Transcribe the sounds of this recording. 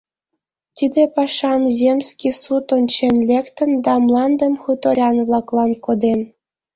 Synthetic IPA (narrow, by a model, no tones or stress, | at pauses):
t̪ʲid̪epɑʃɑmzʲemʲsʲkʲisut̪onʲt͡ɕenlʲekt̪ə̆nd̪ɑmlˠɑnd̪ə̆mxut̪oɾʲɑnβlˠɑklˠɑnkod̪en